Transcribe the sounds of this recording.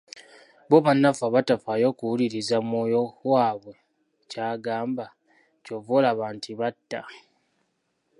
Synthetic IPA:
βoβanːafaβatafajo̞ːkuwuliɾizamoːjowaːβwe̞ | caːɡaːmba | co̞volaβaːntʰiβatːa

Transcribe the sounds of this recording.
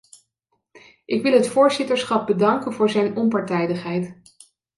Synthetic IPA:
ʔɪkʋɪlˠɦətfʊːɹzɪtəɹsχɑp̚bədɑŋkənvʊːɹzɛjnɔmpɑɹtɛjdəχɦɛjt

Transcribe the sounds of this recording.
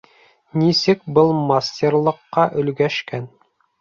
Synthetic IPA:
nisɘkbɤlˠmasʲtʲerlˠɤ̆qːɑʔɵ̆lɡæʃkæn

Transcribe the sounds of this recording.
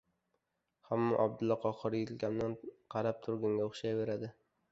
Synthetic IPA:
hamːaʔab̚d̪ʊlːɒqʰɒχɨɾjɪlkʲamd̪anqʰɑɾap̚t̪ʰʊɾɡʲaŋɡʲaʊχʃajve̞ɾad̪ɪ

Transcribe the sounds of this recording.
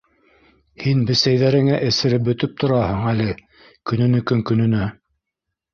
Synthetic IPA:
hinbɘ̆sæjðæɾɘ̆ŋæʔɘ̆sɘ̆ɾɘp̚bɵ̆t̪ɵp̚t̪ʰŏɾɑhɤɴælɘ | kɵ̆nɵ̆nɘkɵŋkɵ̆nɵ̆næ

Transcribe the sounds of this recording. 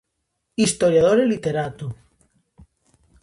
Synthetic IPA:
ist̪oɾjað̞oɾelit̪eɾat̪u

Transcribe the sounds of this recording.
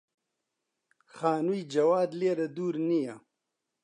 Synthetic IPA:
xaːnujd͡ʒɐwaːd̪leːɾad̪uːɾnija

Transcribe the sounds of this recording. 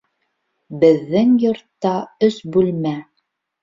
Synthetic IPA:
bɘ̆ðːɘŋjŏɾt̪ːɑɵsbʉlmæ

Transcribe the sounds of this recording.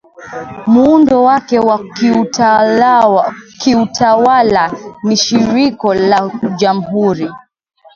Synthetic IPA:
muundɔwakɛwau | kiutʰawalaniʃiɾikɔlaʄam̩ɦuɾi

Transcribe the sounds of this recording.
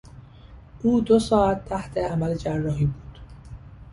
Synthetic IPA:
ʔuːd̪osɒːæt̪ʰːæht̪ʰeæmæled͡ʒærːɒːɦiːbuːd̪̥

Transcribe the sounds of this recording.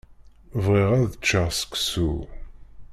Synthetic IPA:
vʁiʁæðət͡ʃːəʁsə̥ksu

